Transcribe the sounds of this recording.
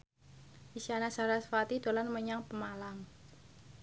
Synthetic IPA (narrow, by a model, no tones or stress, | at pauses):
ʔisanasaɾasfat̪id̪̥olanməɲaŋpəmalam